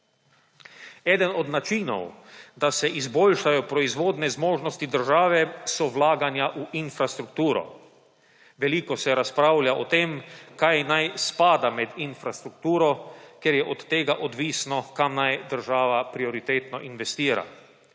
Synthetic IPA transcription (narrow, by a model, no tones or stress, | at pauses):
ɛːd̪ənɔd̪nat͡ʃiːnɔ̰wd̪asɛʔizbolʃajɔpɾɔizʋoːd̪nɛzmoːʒnɔst̪id̪əɾʒaːʋɛsɔwlaːɡanjaʔuʔinfɾast̪ɾuk̚t̪uːɾɔ̰ | ʋɛliːkɔsɛɾaspɾawlʲjaʔɔt̪eːmkajnajspaːd̪amɛd̪infɾast̪ɾuk̚t̪uːɾɔkɛɾjɛʔɔt̪ːeːɡaʔɔd̪ʋiːsnɔkamnajd̪əɾʒaːʋapɾioɾit̪eːt̪nɔʔinʋɛst̪iːɾa̰